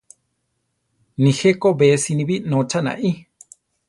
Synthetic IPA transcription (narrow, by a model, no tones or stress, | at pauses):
nĩhekobesinĩβinõt͡ʃanã̰ʔi